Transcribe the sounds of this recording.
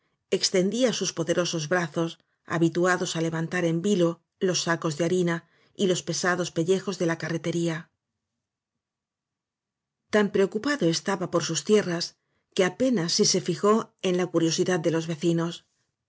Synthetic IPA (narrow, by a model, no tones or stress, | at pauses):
e̞kst̪e̞nd̪iasuspo̞ðe̞ɾo̞so̞zβɾaθo̞s | a̰βit̪uaðo̞sale̞βant̪aɾe̞mbilo̞ | lo̞sːako̞zðeaɾina | ilo̞spe̞saðo̞spe̞ʎe̞xo̞zðe̞lakare̞t̪e̞ɾia | t̪ampɾe̞o̞kupaðo̞e̞st̪aβapo̞ɾsust̪je̞ras | ke̞ape̞nasːise̞fixo̞e̞nlakuɾjo̞siðað̚d̪e̞lo̞zβe̞θino̞s